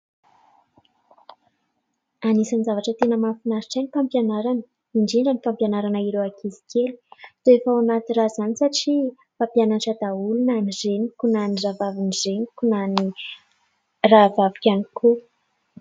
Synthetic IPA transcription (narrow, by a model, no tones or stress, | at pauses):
anisanzavaʈ͡ʂət̪enəmafinaɾiʈ͡ʂajnifampjanaɾanə̥ | iɳɖ͡ʐiɳɖ͡ʐənifampjanaɾanaiɾewakʰizi̥kʲeli̥z̥oefawanat̪irazanisaʈ͡ʂi | fampjananʈ͡ʂad̪aulunanizenikunaniravavinizenikunani | ravavi̥kʲanikʰu